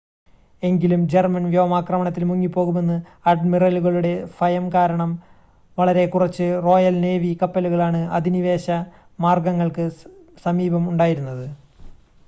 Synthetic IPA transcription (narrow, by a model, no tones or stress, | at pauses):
e̞ŋɡilumd͡ʑermɐnʋjoːɐmaːkrɐmɐɳɐt̪ːilmuŋːipːo̞ːɣume̞nːɨ | ɐɖmirɐluɣɐɭuɽe̞fɐjɐmkaːɾɐɳɐm | ʋɐɭɐɾe̞kurɐt͡ɕːɨro̞ːjɐlne̞ːʋikɐpːeluɣɐɭaːɳɨɐd̪ʱiniʋe̞ːɕɐ | maːrɡɐŋːɐɭkɨ | sɐmiːbɐmuɳɖaːjiɾunːɐðɨ